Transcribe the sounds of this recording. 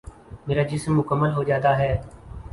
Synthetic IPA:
meːɾaːd͡ʒɪsmːʊkəmːəlɦod͡ʒaːt̪aːɦɛː

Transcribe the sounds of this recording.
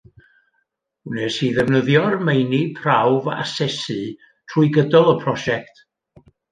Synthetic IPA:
nɛsiðɛvnəðjɔrmejnipʰrawva̰sɛsɨ | tʰruːɨɡədɔlˠəpʰrɔʃɛktʰ

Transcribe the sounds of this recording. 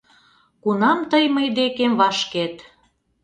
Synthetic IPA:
kunɑmt̪əjməjd̪ekemβɑʃket̪

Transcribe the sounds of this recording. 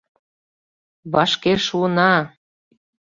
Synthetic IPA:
βɑʃkeʃuənɑ

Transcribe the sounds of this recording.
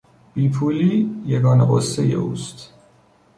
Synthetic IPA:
b̥iːpʰuːliːjeɡɒːneɢosːejḛʔṵːst̪

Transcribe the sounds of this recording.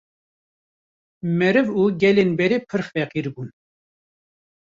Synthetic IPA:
mɛɾɨvuɡʲɛlenbɛɾepʰɨɾχfɛqiɾbun

